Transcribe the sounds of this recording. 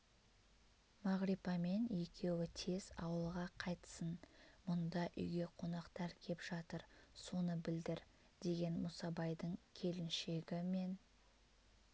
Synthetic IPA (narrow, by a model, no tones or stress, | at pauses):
mɑʁɾipɑme̞nje̞kʲʰe̞wɪt̪ʰe̞z̥ɑ̰wəlˠʁɑqʰɑjt̪ə̥sənmʊnd̪ɑʔʏ̰jɡʲe̞qʰo̞nɑqt̪ɑɾkʲʰe̞pʒ̥ɑt̪əɾso̞nəbɪld̪ɪɾ | d̪̥e̞ɡʲe̞nmʊsɑbɑjd̪əɴkʲʰe̞lɪnʃe̞ɡʲɪme̞n